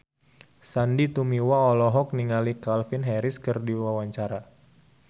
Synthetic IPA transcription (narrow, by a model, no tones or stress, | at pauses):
sandit̪umiwaɔlɔɦɔk̚niŋalikalfɪnɦɛɾɪskɨrdiwawaɲt͡ʃaɾa